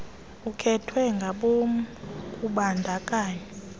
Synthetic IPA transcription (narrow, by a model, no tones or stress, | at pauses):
ukʰɛtʰwɛŋɡʱaɓomkʼuɓandʱakʼaːɲɛ